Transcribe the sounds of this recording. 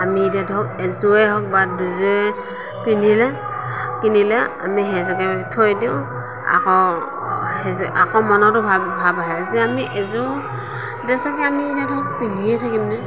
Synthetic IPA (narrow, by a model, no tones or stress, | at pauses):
amiːdadʱɔkɛzuɛɦɔk̚baduzuɛ | pinilɛ | kinilɛa̰miɦɛzɔkɛtʰojdiʊ̃ | a̰kɔ | hɛza̰kɔmɔnɔtʊbʱabʱabaɦɛzɛamiʔɛzu | dɛsɔkɛamiːdadʱɔk̚piniɛtʰakimnɛ